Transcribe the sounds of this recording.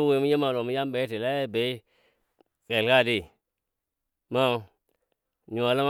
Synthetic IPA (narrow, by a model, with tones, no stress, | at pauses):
u˦we˨˦u˦je˦ma˨lo˨mu˦ja˦m˦ɓe˨˦i˦ti˨la˦˨be˨i˦ | ke˨lka˦˨di˦˨ | ma˦˨ | ɲu˨wa˨la˦m˦